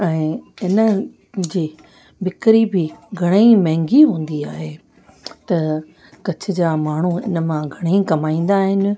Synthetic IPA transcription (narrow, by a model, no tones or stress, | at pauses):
ɛ̃ːɪnə | d͡ʑiː | bɪkɾibɪɡʱɐɽ̃eĩmɛɦɪ̃ŋɡiɦũːn̆d̪iaːɦe | t̪ɐ | kɐt͡ɕʰɪ̆d͡ʑaːmaːɳ̤uɪ̰nə̆mãɡʱɐɽ̃ĩkɐmaːĩːn̆d̪aːɦɪnɪ̆